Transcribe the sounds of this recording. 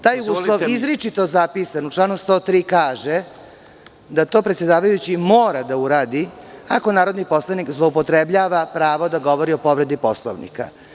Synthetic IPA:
t̪aːjuːslˠoʋizɾit͡ʃit̪o̞zapisanuʈ͡ʂlˠaːnust̪o̞ːt̪ɾiːkaːʒe | d̪at̪oːpɾet̪sed̪aːʋajut͡ɕimoːɾad̪auɾaːd̪iako̞naːɾo̞d̪nipo̞slˠanikzlˠoupot̪ɾebʎaːʋapɾaːʋo̞d̪aɡo̞ʋo̞ɾio̞po̞ʋɾe̞d̪iposlˠo̰ʋnḭka̰

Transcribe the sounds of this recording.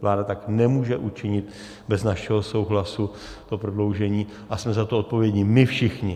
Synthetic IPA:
vlaːdat̪aknɛmuːʒɛʔut͡ʃɪɲɪt̪ | bɛznaʃɛɦo̞so̞wɦlasu | t̪opɾodlo̞wʒɛɲiː | ʔasmɛzat̪oot̪̚po̞vjɛɟɲɪmɪfʃɪxɲɪ

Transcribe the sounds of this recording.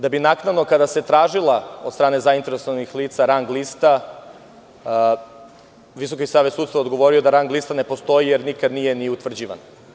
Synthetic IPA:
d̪abinaknad̪no̞kad̪ase̞t̪ɾaːʒilaod̪st̪ɾaːne̞zaint̪eɾesoʋanixliːt̪saɾaŋɡlist̪a | ʋiso̞kisaːʋesud̪st̪vad̪ɡo̞ʋo̞ɾiod̪aɾaŋɡlist̪ane̞post̪o̞ijeɾnikad̪nije̞niut̪ʋr̩d͡ʑiːʋa̰n

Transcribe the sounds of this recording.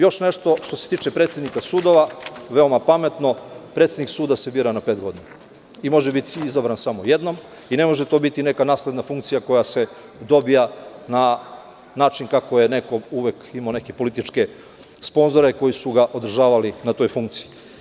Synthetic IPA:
jo̞ʃne̞ʃt̪o̞ʃt̪o̞set̪iːt͡ʃe̞pɾe̞ːt̪sjed̪nikasuːd̪o̞ʋaʋe̞omapame̞t̪no̞pɾe̞t̪sʲed̪niksuːd̪asebiɾanapet̪ɡo̞d̪ina | imo̞ʒebit̪izabɾansamo̞je̞d̪no̞m | ine̞mo̞ʒet̪o̞bit̪ine̞kanaːsled̪nafuŋkt̪sijako̞jase̞ | d̪o̞bijana | naːt͡ʃinkakojene̞ko̞uʋekimane̞kepo̞lit̪it͡ʃke̞ | spo̞nzo̞ɾe̞ko̞jisuɡaʔo̞d̪r̩ʒaːʋalinat̪o̞ːjfuŋkt̪si̥ji

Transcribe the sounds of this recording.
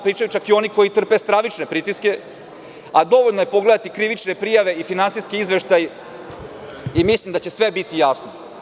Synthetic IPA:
pɾiːt͡ʃajut͡ʃakio̞niko̞jit̪r̩pest̪ɾaʋit͡ʃne̞pɾit̪iske̞ | ad̪o̞ʋo̞ʎnoje̞po̞ɡle̞d̪at̪ikɾiʋit͡ʃne̞pɾijaʋe̞ifinansiskiizʋeʃt̪aj | imislimd̪at͡ɕe̞sʋe̞bit̪ijasno

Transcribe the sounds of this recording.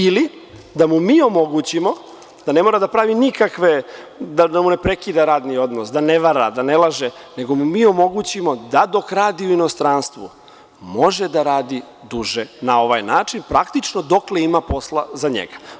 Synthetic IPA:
ili | d̪amumiːo̞mo̞ɡut͡ɕimo̞ | d̪̥ane̞mo̞ːɾad̪apɾaːʋinikakʋed̪ad̪amune̞pɾe̞kid̪aɾaːd̪nio̞d̪nosd̪aneʋaɾad̪anelˠaʒene̞ɡo̞mumiːo̞mo̞ɡut͡ɕimo̞d̪ad̪o̞kɾaːd̪iuino̞st̪ɾaːnst̪ʋṵ | mo̞ʒed̪aɾaːd̪i | d̪uʒenao̞ʋajnaːt͡ʂinpɾakt̪it͡ʃnod̪o̞kle̞imapo̞slˠazaɲḛɡḁ

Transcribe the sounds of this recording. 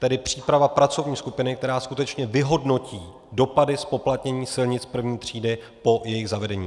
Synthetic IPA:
t̪ɛdɪpr̝̥iːpɾavapɾat͡so̞vɲiːskupɪnɪk̚t̪ɛɾaːskut̪ɛt͡ʃɲɛvɪɦo̞dno̞ciː | do̞padɪspo̞plat̪ɲɛɲiːsɪlɲɪt͡spr̩vɲiːt̪r̝̥iːdɪ | po̞jɛjɪɣzavɛdɛɲḭː

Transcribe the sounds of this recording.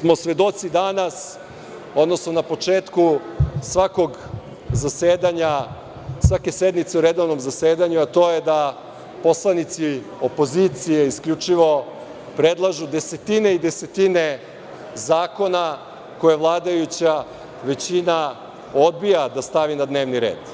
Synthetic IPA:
smo̞sʋe̞d̪o̞t̪sid̪anas | o̞d̪no̞sno̞napo̞t͡ʂeːt̪kusʋako̞ɡ | zaseːd̪aɲa | sʋake̞sed̪nit̪se̞uɾed̪o̞ʋno̞mzaseːd̪aɲuat̪o̞ːjed̪a | po̞slˠanit̪si | o̞po̞zit̪sije̞iskʎʲut͡ʂiʋo̞ | pɾed̪lˠaʒud̪e̞se̞t̪ine̞id̪e̞set̪ine̞ | zaːko̞na | ko̞jeʋlˠaːd̪ajut͡ɕa | ʋe̞t͡ɕina | o̞d̪̚bijad̪ast̪aʋinad̪ne̞ːʋniɾe̞̰ːd̪̥

